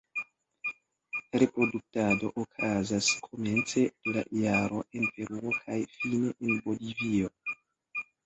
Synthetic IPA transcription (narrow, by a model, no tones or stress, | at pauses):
ɾe̞pɾo̞duk̚tado̞ʔokʰazaskʰo̞me̞nt͡se̞d̥ela̰jaɾo̞e̞npe̞ɾuo̞kʰajfineʔenbo̞livio̞